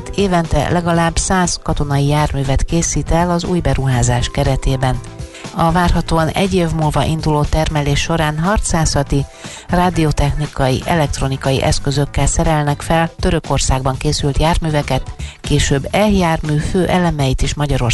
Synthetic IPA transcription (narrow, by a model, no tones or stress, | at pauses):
t̪eːvɛnt̪ɛ̰lɛɡɒlaːbsaːskɒt̪o̞nɒjijaːrmyːvɛt̪keːsiːt̪ɛlɒzṵːjbɛɾuɦaːzaːʃkɛɾɛt̪eːbɛn | ɒvaːrɦɒt̪oːɒnɛ̰ɟːeːvmuːlvɒʔind̪uloːt̪ɛrmɛleːʃːo̞ɾaːnɦɒrt̪saːsɒt̪i | raːd̪iot̪ɛxnikɒjiʔɛlɛk̚t̪ro̞nikɒjḭʔɛskø̞zø̞kːɛlsɛɾɛlnɛkfɛlt̪ø̞ɾø̞ko̞rsaːɡ̚bɒŋkeːsylt̪jaːrmyːvɛkɛt̪keːʃøbːɛljaːrmyːføːʔɛlɛmɛjit̪iʃmɒɟɒɾo̞r